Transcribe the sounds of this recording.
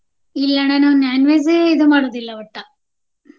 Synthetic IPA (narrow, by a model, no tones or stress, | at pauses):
ilːɐnɐnunaːnʋez̬eeid̪umaːɽoːd̪ilːɐʋɐʈːɐ